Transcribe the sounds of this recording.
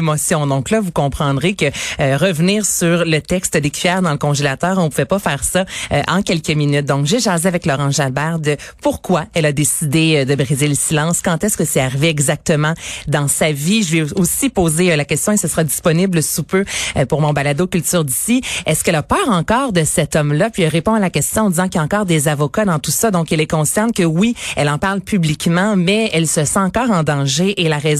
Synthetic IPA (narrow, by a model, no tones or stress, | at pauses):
emɔsjɔ̃d̪ɔ̃klavukɔ̃pχɑ̃d̪ʁekəːʁəvniːʁsyʁlət̪ɛkst̪əd̪ekʲɥijɛːʁd̪ɑ̃ləkɔ̃ʒelat̪œːʁɔ̃puvɛpafɛːʁsaøʔɑ̃kʲɛlkəminyt̪̚d̪ɔ̃kʒeʒɑzeavɛklɔʁɑ̃ʒalbaʁd̪əpuʁkwaɛlad̪esid̪eød̪əbʁizeləsilɑ̃skɑ̃t̪ɛskəsɛaʁiveɛɡzak̚t̪əmɑ̃d̪ɑ̃saviʒəvɛosipoːzelakʲɛst̪jɔ̃esəsəʁad̪i̥spɔnɪbləsupøpuʁmɔ̃balad̪okʲylt̪yːʁd̪isiɛskɛlapœːʁɑ̃kɑːʁd̪əsɛt̪ɔmlapɥiɛlʁepɔ̃alakʲɛst̪jɔ̃ɑ̃d̪izɑ̃kjaɑ̃kɑːʁd̪ezavɔkad̪ɑ̃t̪usad̪ɔ̃kɛlɛkɔ̃sɛʁnkəwiɛlɑ̃paʁlpyblikmɑ̃mɛɛlsəsɑ̃ɑ̃kɑːʁɑ̃d̪ɑ̃ʒeʔːlaʁɛz